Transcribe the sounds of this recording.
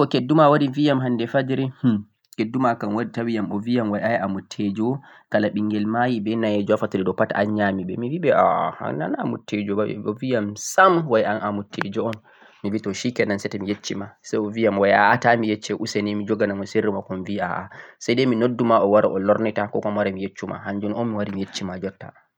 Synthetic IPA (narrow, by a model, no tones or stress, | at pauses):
kɔkedːumawaɾivijamɦandɛfad͡ʒɾɛh | kedːumakanwaditawijamɔvijamwajajamutʰːed͡ʒɔ | kalaɓiŋɡɛlmajibɛnaɛd͡ʒɔafatuɗɛɗɔpataanɲamiɓɛ̰miwiɓɛʔa̰a̰na̰na̰mṵtʰːed͡ʒɔbaɛ̰ɔvijamsamwajanamutʰːed͡ʒɔɔn | mivitɔʃikɛnansɛtɛmijet͡ʃːimasajɔvijamwaja̰atamijet͡ʃːɛʔusenimid͡ʒɔɡanamɔseɾimakɔnvia̰ʔa̰sajdɛminodːumaʔɔwaɾaʔɔlɔɾnɛtakɔ̰kɔmwaɾamijet͡ʃːuma̰hand͡ʒɔnɔnmiwaɾimijet͡ʃːimad͡ʒɔtːa